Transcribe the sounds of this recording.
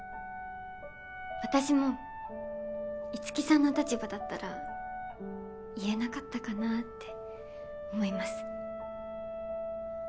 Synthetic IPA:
βat̪aɕimo̞ | it͡sɨ̥kʲisãnːot̪at͡ɕibad̪at̪ːaɾa | ie̞nakat̪ːakanat̪ːe̞ | omo̞imasɨ̥

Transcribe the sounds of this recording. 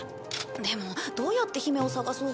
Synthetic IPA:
d̪emo̞d̪̥o̞ːjat̪ːe̞çime̞o̞saɡasoː

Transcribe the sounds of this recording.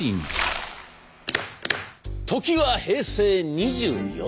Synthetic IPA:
in | t̪o̞kʲiβahe̞ːse̞ːɲ̟iʑɨːjo

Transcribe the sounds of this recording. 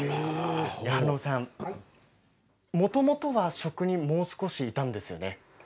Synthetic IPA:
janoːsãm | mo̞t̪o̞mo̞t̪o̞βaɕo̞kɯ̟ɲ̟imo̞ːsɨ̥ko̞ɕiːt̪ãnd̪e̞sɨjo̞̰ne̞

